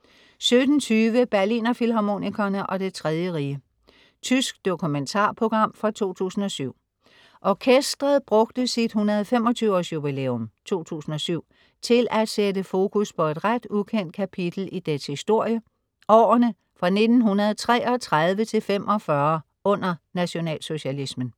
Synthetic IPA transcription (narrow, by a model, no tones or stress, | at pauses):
sød̥n̩t͡sʰyːʋəb̥æɐlḭːnɐfilɦɑmo̝̰nikʰɐnəʔɒ̽d̥e̝t͡sʰʁɛð̞ˠjəʁiːə | t͡sʰysɡ̥̚d̥o̝kʰument͡sʰɑ̰̈ːpʰʁo̝ɡ̥ʁɑ̈m̰fʁɑ̈t͡sʰo̝̰ːt͡sʰṵːsn̩ɒ̽syʊ̰ | ʔɒkʰesd̥ʁɐðˠb̥ʁɔ̽ɡ̥̚d̥əsid̥hunɐðˠfem̰ɒ̽t͡sʰyʊɒsjub̥ilḛːɔmt͡sʰo̝̰ːt͡sʰṵːsn̩ɒ̽syʊ̰ | t͡sʰe̝lʔæ̥sedəfo̝ːkʰuspʰɒ̽e̝d̥ʁad̥ukʰen̰d̥̚kʰæpʰid̥l̩id̥eshisd̥o̝ɐ̰jə | ɒ̰ːɐnə | fʁɑ̈ne̝d̥n̩ɦunɐð̞̩ˠt͡sʰʁɛ̰ːɒ̽t͡sʰʁaðˠʋət͡sʰe̝lfemʔɒ̽fɶɐ | ɔ̽n̰ɐnæɕo̝nɛ̰ːlso̝ɕælismən̩